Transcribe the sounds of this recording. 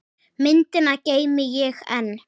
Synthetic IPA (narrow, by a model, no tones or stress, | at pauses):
mɪnt̪ɪnacejmɪjɛxɛ̰n